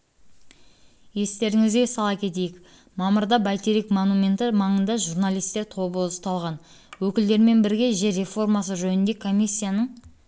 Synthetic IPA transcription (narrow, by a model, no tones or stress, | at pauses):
je̞st̪e̞ɾɪŋɪzɡʲesɑlˠɑkʲʰe̞t̪̬e̞jɪk | mɑməɾd̪ɑbɑjt̪eɾikmonumʲe̞nt̪ɪmɑɴənd̪ɑʒuɾnalʲˠijst̪e̞ɾt̪ʰo̞bəzt̪ɑlˠʁɑn | wɵkʲɪld̪e̞ɾme̞nbɪɾɡʲe̞ʒe̞ɾe̞fo̞rmɑsəʒɵnɪnd̪e̞kʰo̞mʲisʲːijanəɴ